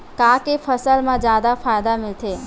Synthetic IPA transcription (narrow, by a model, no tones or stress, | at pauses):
kãːkefɐsəlmãd͡ʒjaːd̪afʰaːjd̪amɪlt̪ʰeː